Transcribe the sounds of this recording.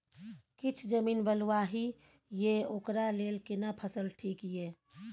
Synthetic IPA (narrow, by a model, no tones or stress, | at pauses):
kɪt͡ʃʰd͡ʒəmiːnbəlwaɦi | jeoːkɾaleːlkɪnapʰəsəlʈʰiːkieː